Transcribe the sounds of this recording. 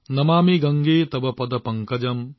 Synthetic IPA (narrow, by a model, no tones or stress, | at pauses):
nɐmaːmiɡɐŋɡeːt̪ɐbɐpɐd̪ɐpɐŋkɐd͡ʒɐm